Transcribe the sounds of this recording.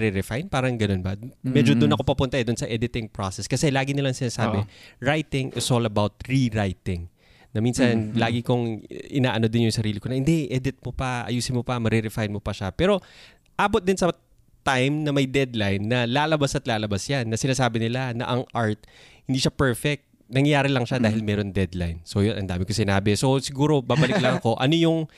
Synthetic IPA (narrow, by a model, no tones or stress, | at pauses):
ɾɛɾɛfajnpaːɾɐŋɡɐno̞nbɐmɛd͡ʒod̪ʊnɐko̞pɐpʊnt̪ɐɛd̪ʊnsɐʔɛd̪ɪt̪ɪŋpɹosɛskɐsɛlaːɡɪnɪlaɐŋsɪnaːsaːbɛɹajt̪ɪŋʔɪ̰solɐbawt̪̚ɹiɹajt̪ɪŋ | nɐminsɐnlaːɡɪkoŋʔɪnaːʔɐno̞d̪ɪnjʊŋsɐɾiːlɪkoɐhɪnd̪ɛʔɛːd̪ɪt̪̚mopɐʔɐ̰juːsɪnmopɐmɐɾɛɾɛfajnmopɐʃapɛːɾo̞ | ʔaːbot̪̚d̪ɪnsɐ | t̪ajmnɐmɐjd̪ɛd̪lajnːɐlaːlɐbasɐt̪laːlɐbasjanːɐsɪnaːsaːbɪnɪlanɐʔɐŋʔaɹt̪̚hɪnd̪iːʃapɛɹfɛk̚t̪̚nɐŋjɐjaːɾɪlɐŋʃad̪aːhɪlmɛːɾo̞nd̪ɛd̪la̰jnso̞jonʔɐnd̪aːmɪkosɪnaːbɛso̞sɪɡuːɾo̞baːbɐlɪk̚lɐŋɐko̞ʔɐno̞jʊŋ